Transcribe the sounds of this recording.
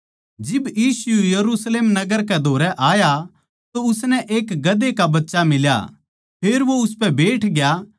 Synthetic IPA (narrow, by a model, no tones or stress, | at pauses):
d͡ʒɪbjiːsʊujɐɾusleːmnɐɡəɾk̬ɛd̪ʱoːɾɛʔaːja | t̪oʊsnɛʔeːkɡɐd̪ekabɐtːʃamɪlja̰ | pʰeːɾʋoʊspɛbeːʈʰɡja